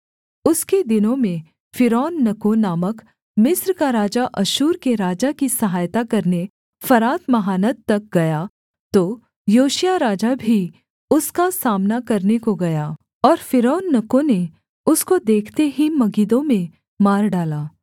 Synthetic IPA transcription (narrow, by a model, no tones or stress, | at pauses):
ʊsked̪ɪnõmẽ | fɪɾɔːnːɐkonaːmək | mɪsɾkaɾaːd͡ʒaʔɐʃuːɾkeɾaːd͡ʒakisɐɦaːjt̪akɐɾne | fɐɾaːt̪mɐɦaːnət̪ːɐk̚ɡɐjaː | t̪oː | joːʃijaɾaːd͡ʒabʱi | ʊskasaːmnakɐɾnekoɡɐjaː | ɔːɾfɪɾɔːnːɐkõne | ʊskod̪eːkʰt̪eɦimɐɡiːd̪õmẽ | maːɾɖaːlaː